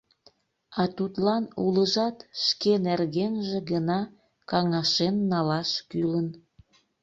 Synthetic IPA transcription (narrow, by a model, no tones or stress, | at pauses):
ɑt̪ut̪lɑnuləʒɑt̪ʃkenerɣenʒĕɣənɑ | kɑŋɑʃenːɑlɑʃkylən